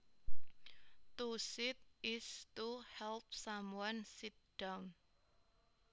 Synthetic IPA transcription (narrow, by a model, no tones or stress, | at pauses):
t̪usɪt̪̚ɪstuhɛlp̚samuwɔnsit̪̚d̥awn